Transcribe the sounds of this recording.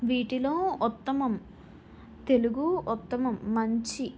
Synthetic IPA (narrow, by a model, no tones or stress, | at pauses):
ʋiːʈilo̞ːut̪ːɐmɐm | t̪e̞luɡuːt̪ːɐmɐmːɐɲt͡ʃi